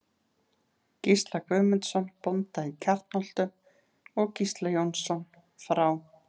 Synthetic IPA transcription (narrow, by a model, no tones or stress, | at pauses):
cist̪lakvʏːmɪnt̪sɔnpɔnt̪aicʰar̥t̪nɔl̥t̪ʏm | ɔɣcist̪lajɔnsɔn | fɾaw